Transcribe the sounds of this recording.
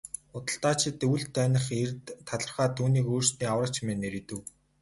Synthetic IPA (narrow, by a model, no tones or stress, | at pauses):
ʊt̪ə̆ɬt̪aːt͡ɕʰɪ̆t̪uwɘ̆ɮt̪ʰːœːnə̆χert̪ʰːaɮə̆rχaːt̪ʰuːniːkoːr̥st̪niːawrə̆kt͡ɕʰmeːneɾit̪ɘ̆w